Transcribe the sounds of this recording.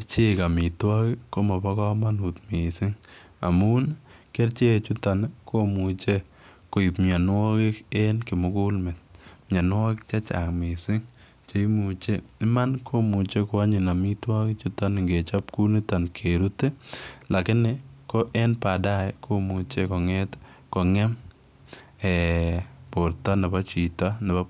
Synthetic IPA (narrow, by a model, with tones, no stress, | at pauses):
ɾt͡ʃe˦ka˨mɪ˨twa˦kɪko˦ma˨pa˦kɔ˦ma˦nu˨t̪mi˨sɪ˦ŋ | a̰˨mu˦n | ke˦ɾt͡ʃe˦˨t͡ʃu˦ta˨nkʰo˦mu˨t͡ʃe˦ | ko˨ɪ˨pmja˨n˦wɔ˦kɪ˦kɛ˦nkɪ˨mʊ˦ku˦lme˨t̪̚mɲa˨nʊ˦wa˦kt͡ʃa˦t͡ʃa̰˨kmɪ˨sɪ˦ŋ | t͡ʃe˦mu˨t͡ʃe˦ɪ˦ma˦nkʰo˦mu˨t͡ʃe˦ko˨a˦ɲɪ˨na˨mɪ˦twa˦kɪ˦t͡ʃu˦ta˦nɪ˨ŋɡe˨t͡ʃa˦pku˦ni˦ta˨nkʰe˨ɾu˦te˦la˨kɪ˦nɪ˦kɔ˦ʔɛ˦npa˨da˦ɛkʰo˦mu˨t͡ʃe˦kɔ˨ŋɛ˦t | kɔ˨ŋɛ˦m | ɛ˨po˨ɾta˦nɪ˨ba˦t͡ʃi˨ta˦nɪ˨ba˦